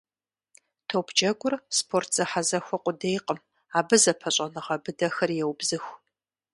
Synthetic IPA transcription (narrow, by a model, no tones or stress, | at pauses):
tʰopʰd͡ʒɐɡʷʊrspʰortʰz̥ɐħazɐxʷɔqʷʼʊdejqʼəm | aːbɨzɐpʰɐɕʼɐnɨʁɐbɨdɐxɐrjɛwbzɨxʷ